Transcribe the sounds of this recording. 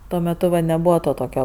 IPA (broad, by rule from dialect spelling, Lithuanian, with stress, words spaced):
ˈtuɔ mʲɛˈtʊ ʋɐ nʲɛˈbʊʋoː ˈtoː ˈtoːkʲoː